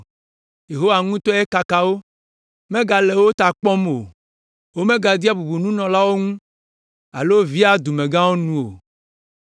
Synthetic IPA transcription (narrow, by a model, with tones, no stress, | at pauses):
je˨ɦo˦wa˨ŋũ˦t̪ɔ˦e˦ka˨ka˨wo˦ | mẽ˦ɡa˨le˨wo˦t̪a˨k͡pɔ̃˦m˨o̰˨ | wo˦mẽ˦ɡa˨d̪i˦a˦bu˨bu˨nũ˦nɔ̃˨la˦wo˦ŋũ˦ | a̰˨lo˦vi˦a˦d̪u˨mẽ˨ɡã˦wo˦nũ˦o̰˨